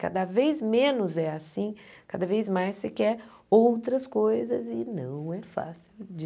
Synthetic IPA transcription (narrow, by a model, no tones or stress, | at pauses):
ka̰d̪ɐvejzmẽnʊzɛasĩkad̪ɐvejzmajsːekɛɾ | owt̪ɾɐskojzɐzɪnɐ̰̃w̃ɛfa̰siwd͡ʒ